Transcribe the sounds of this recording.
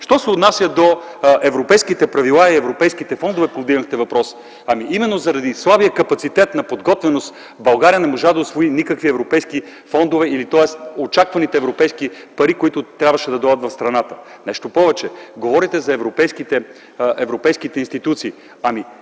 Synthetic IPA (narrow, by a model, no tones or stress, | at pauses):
ʃt̪ɔsɛʊt̪nasʲjəd̪oɛvɾopɛjskit̪ɛpɾɐvilˠaiɛvɾopɛjskit̪ɛfɔnd̪ovɛpovd̪iɡəxt̪ɛvɐpɾɔs | ɐmiʔimɛnːozɐɾɐd̪islˠabijəkɐpɐt̪sit̪ɛt̪nɐpod̪ɡɔt̪vɛnost̪ | bɐlˠɡaɾiənɛmoʒad̪ɐosvoinikəkviɛvɾopɛjskifɔnd̪ovɛilit̪ɔɛst̪ot͡ʃakvɐnit̪ɛːvɾopɛjskipɐɾikoit̪ʊt̪ɾʲabvɐʃɛd̪ɐd̪ɔjɐt̪vɐfst̪ɾɐnat̪ə | nɛʃt̪opɔvɛt͡ʃɛɡovɔɾit̪ɛzɐɛvɾopɛjskit̪ɛ | ɛvɾopɛjskit̪ɛinst̪it̪ut̪siː | ɐmi